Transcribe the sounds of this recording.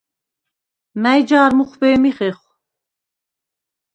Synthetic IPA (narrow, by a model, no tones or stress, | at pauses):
mæjd͡ʒaːɾmuχvɛːmiχɛχ